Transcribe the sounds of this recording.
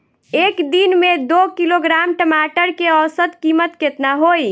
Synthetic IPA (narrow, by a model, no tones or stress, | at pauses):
ekd̪inmed̪okiloɡɾamʈəmaʈəɾkeəwsət̪kimət̪ket̪naɦoj